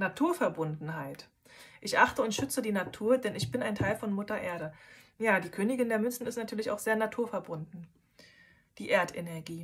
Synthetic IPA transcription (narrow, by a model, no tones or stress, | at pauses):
natʰuːɐfɛɐbʊndn̩ɦaɪt | ʔɪçʔaχtəʊntʃʏt͡sədiːnatʰuːɐdɛnɪçb̥ɪnaɪntʰaɪlfɔnmʊtɐʔeːɐɾə | jaːdiːkʰøːnɪɡɪndeːɐmʏnsn̩ɪstnatʰyːɐlɪçaʊxz̥eːɐnatʰuːɐfɛɐbʊndn̩ | d̥iːʔeːɐtʔɛ̰nɛɐɡiː